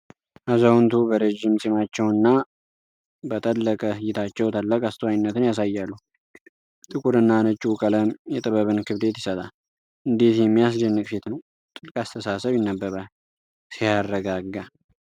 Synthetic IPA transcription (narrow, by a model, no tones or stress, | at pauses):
ʔazawnt̪ʰubəɾed͡ʒːɪmsʼimat͡ʃːɛwɨnːa | bət̪ʼəlːəkʼəjːɪt̪ʰat͡ʃːɛwt̪ʰəlːəkʼast̪ʰəwajɪnːət̪ɨnjas̬ajːalːu | t̪ʼɨkʼuɾɨnːanət͡ʃʼːukʼələmjɛt̪ʼɨβəβɨnkʰɨβd̪e̞t̪jɪsət̪ʼal | ʔɨnd̪et̪jɛmːijas̬d͡ʒɛnːɨkʼset̪nəw | t̪ʼɨlkʼast̪ʰəsasəβjɪnːəbːəβal | sijarːəɡaɡːa